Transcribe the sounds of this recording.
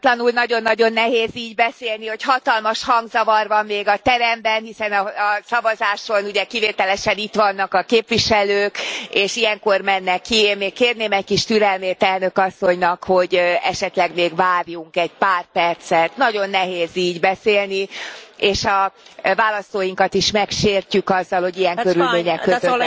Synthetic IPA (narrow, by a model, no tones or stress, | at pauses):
t̪lɒnulnɒɟo̞nːɒɟo̞nːɛɦeːziːɟbɛseːlniho̞chɒt̪ɒlmɒʃhɒŋɡzɒvɒrʋɒmːeːɡɒt̪ɛɾɛmbɛnɦisɛnɒːsɒvɒzaːʃo̞nuɟɛkiveːt̪ɛlɛʃɛnit̪ʋɒnːɒkɒkeːpʋiʃɛløːkeːʃijɛŋkormɛnːɛkːieːnmeːkkeːrneːmɛc̚kiʃt̪yɾɛlmeːt̪ɛlnø̞kɒsːo̞ɲnɒkho̞ɟɛ̰ʃɛt̪lɛɡmeːɡʋaːrjuŋkɛɟpaːrpɛrt̪sɛt̪nɒɟo̞nːɛɦeːziːɟbɛseːlnieːʃɒvaːlɒst̪oːjiŋkɒt̪iʃmɛkʃeːrcykɒzːɒlho̞ɟijɛŋkøɾylmeːɲɛkkkøø